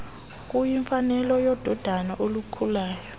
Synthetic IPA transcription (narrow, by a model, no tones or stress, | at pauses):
k̬ʼujiɱfanɛlɔjɔd̥ʱɔd̥ʱanaʔolukʰulaːjɔ